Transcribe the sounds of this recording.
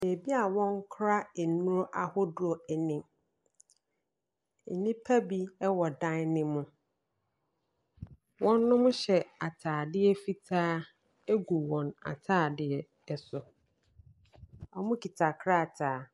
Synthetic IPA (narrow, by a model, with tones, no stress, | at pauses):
e˨bi˦a˨wɔ̃˦ŋ˦kʰɾa˦e˨nũ˦ɾʔa˨hʊ˦dʊ˦ɔ˨ɛ˨nɪ̃˨m˨ | nĩ˦pʰa˦bi˦ɛ˦wɔ˨dã˦nnɪ̃˦mʊ̃˨ | wɔ̃˦nːʊ̃˦mʊ̃˦ɕɛ˨a˨tʰaː˨dɪ˦ɛ˦fi˦tʰaː˦ | e˦ɡu˨wɔ̃˨na̰˨tʰaː˦˨dɪ˦ɛ˦ | ɛ˦sʊ˨ | ɔ˨mʊ̃˦kʰi˨tʰa˨kʰɾa˦˨tʰaː˨